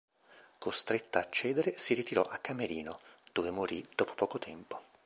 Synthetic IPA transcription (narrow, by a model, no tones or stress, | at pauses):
kost̪ɾet̪ːaːt͡ʃːɛːd̪eɾesiɾit̪iɾɔʔakːameɾiːnod̪̥oːvemoɾid̪̥ɔːpo̥pɔːkot̪ʰɛmpo̥